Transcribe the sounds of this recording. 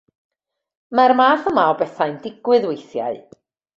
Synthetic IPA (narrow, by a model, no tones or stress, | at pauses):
marmaːθəmaɔbɛθaɨndɪɡwɨðwejθja̰ɨ